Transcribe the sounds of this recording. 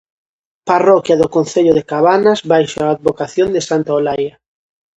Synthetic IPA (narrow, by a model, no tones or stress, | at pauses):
parɔkjaðokonθeʎʊðekaβanazβajʃaːd̪̚βokaθjond̪esant̪aolaja